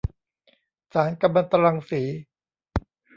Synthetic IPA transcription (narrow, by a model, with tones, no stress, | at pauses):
saː˩˦nka˧ma˧nt̪a˧ɾa˧ŋsiː˩˦